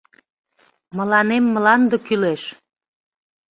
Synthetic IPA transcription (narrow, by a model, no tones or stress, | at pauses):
məlɑnemːəlɑnd̪əkyleʃ